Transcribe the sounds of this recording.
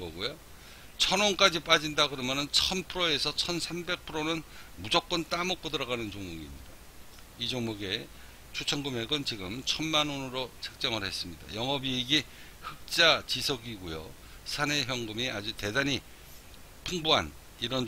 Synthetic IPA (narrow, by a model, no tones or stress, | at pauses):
ɡʌɡujo | t͡ɕʰʌnonk͈ad͡ʑip͈ad͡ʑindaɡɯɾʌmjʌnɯnt͡ɕʰʌnpʰɯɾoe̞sʰʌt͡ɕʰʌnsʰambe̞k̚pʰɯɾonɯnmud͡ʑʌk͈ʌnt͈amʌk͈̚odɯɾʌɣanɯnt͡ɕoŋmuɡḭmɲida | id͡ʑʌŋmuɡe | t͡ɕʰut͡ɕʰʌnɡɯme̞ɡɯnt͡ɕiɡɯmt͡ɕʰʌnmanonɯɾot͡ɕʰḁk̚t͡ɕ͈ʌŋɯɭhe̞s͈ɯmɲida̰jʌŋʌbiːɡi | hɯk̚t͡ɕ͈at͡ɕisʰʌɡiɡojo̰ | sʰane̞ɦjʌŋɡɯmiad͡ʑute̞daɲi | pʰuŋbuɦa̰n | iɾʌn